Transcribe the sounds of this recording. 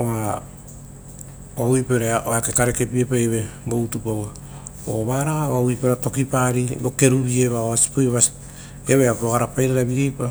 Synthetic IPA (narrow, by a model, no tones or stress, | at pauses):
oa | owipeɾeʔoakekaɾeke̞piepajeβeɡoutupaβa | oβaɾaaβawipeɾato̞kipaɾiɡoke̞ɾuβie̞βaoasi̥pojβasi̥ | eβeapoɡaɾapajɾaɾaβiejpa